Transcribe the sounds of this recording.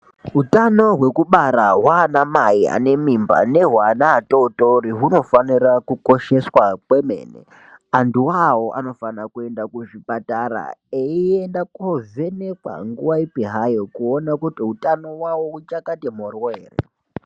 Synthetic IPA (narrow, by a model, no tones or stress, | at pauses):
ɦutano̞ɦwe̞kuɓaɾaɦwaːnamaia̰ne̞mimba̰ne̞ɦwanaːtoutoɾiɦuno̞fanirakuko̞ʃe̞swakwemḛːnḛ | anduwawoʔa̰no̞fanakue̞ndakuʐipataɾa̰eiendakoze̞nekwa̰ŋɡuʋaipiɦajokuonakutiɦutano̞wawout͡ʃakatemorweːrḛ